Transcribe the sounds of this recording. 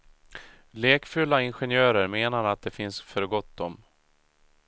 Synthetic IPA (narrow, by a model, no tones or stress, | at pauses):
leːkfɵlːaɪnɧɛnjœːɾəɾmeːnaɾat̪̚d̪ɛfɪnsfœɾɡɔt̪̚ːd̪ɔm